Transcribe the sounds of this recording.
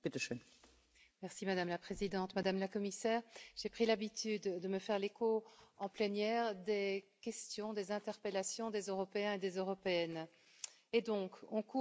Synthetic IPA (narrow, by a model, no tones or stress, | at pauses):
pet̪əʃɛn | mɛʁsimad̪amlapχezid̪ɑ̃t̪mad̪amlakɔmisɛːʁʒ̥epχilabit̪yd̪ːəməfɛʁlekoɑ̃plenjɛːʁd̪ekʲɛst̪jɔ̃d̪ezɛ̃t̪ɛʁpelasjɔ̃d̪ezøʁɔpeɛ̃ed̪ezøʁɔpeɛn | ed̪ɔ̃kɔ̃ku